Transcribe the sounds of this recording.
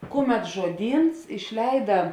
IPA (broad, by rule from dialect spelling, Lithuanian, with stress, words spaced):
ˈkʊˌmʲɛt ʒuɔˈdʲiːns ɪʃʲˈlʲɛɪdɐ